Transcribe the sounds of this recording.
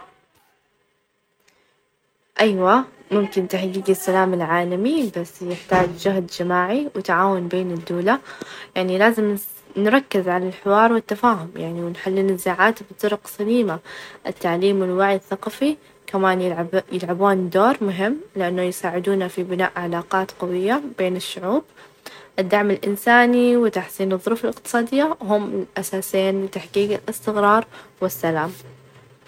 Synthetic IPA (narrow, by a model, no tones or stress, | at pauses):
ʔajwamʊmkɪnt̪aħɡiːɡɪsːalaːmɪlʕaːlamibasːjɪħt̪aːd͡ʒd͡ʒʊɦd̪d͡ʒɪmaːʕiwɪt̪aʕaːwʊnbeːnɪd̪ːuːlajaʕnilaːzɪm | nɾˤɑkːɪzʕalalħɪwɑːɾˤwɪt̪ːafaːɦʊmjaʕniwɪnħalːɪnɪzːaːʕaːt̪bɨt̪ˤːʊɾʊqsaliːmaʔɪt̪ːaʕliːmwɪlwaʕjθɑqɑfi | kamaːnjɪlʕabuːnd̪oːɾˤmʊɦɪmːlɪʔanːʊjsaːʕɪd̪uːnafibɪna̰ːʔʕalaːqɑːt̪qɑwɪjːabeːnɪʃːʊʕuːb̚ | ʔɪd̪ːaʕmɪlʔɪ̰nsaːniwɪt̪aħsiːnɨðˤːʊɾfɪlɪqt̪ɨ̥sˤɑːd̪ɪjːaɦʊmlʔasaːsɪːnlɪt̪aħɡiːɡɪlɪst̪ɪɣɾˤɑːɾˤwɪsːalaːm